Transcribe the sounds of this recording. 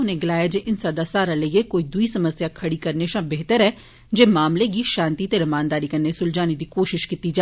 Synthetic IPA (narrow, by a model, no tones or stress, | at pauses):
ʊneːɡɪlaːjaːd͡ʒeːʔɪnsaːd̪aːsaːɾaːləijeːkoːiːd̪ʊiːsəməsjaːkʰəɽiːkəɾneʃãːbeɦt̪əɾɛː | d͡ʒeːmaːmleɡiːʃãːnt̪iːt̪eːɾəmaːnd̪aːɾiːkəɾneːsʊld͡ʒaːniːd̪iːkoːʃɪʃkit̪iːd͡ʒaː